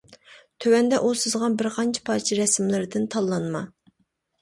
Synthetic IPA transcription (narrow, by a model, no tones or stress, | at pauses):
t̪ʰøwɛnd̪ɛʔusɨzʁɑnbɪɾqʰɑnt͡ʃʰɛ̥pʰɑːɾt͡ʃʰiɾɛsmlɪɾɪd̪ɪnt̪ʰɑlˠːɑnmɑ